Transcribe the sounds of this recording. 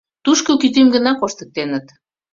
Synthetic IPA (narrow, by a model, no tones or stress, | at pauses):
t̪uʃkokyt̪̬emɡə̆nɑkoʃt̪ə̥̆k̚t̪enət̪